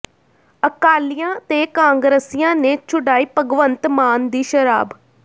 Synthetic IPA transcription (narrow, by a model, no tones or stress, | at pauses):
əkaːlijãːt̪eːkãːŋɡɾəsijãːneːt͡ʃʰʊɖaːiːpəɡʋənt̪maːnd̪iːʃəɾa̰ːb